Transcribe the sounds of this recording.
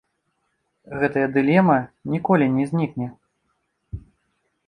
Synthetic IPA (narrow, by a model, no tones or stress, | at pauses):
ɣɛt̪ɐjɐd̪ɨlʲɛmɐnʲikɔlʲinʲɛzʲnʲiknʲɛ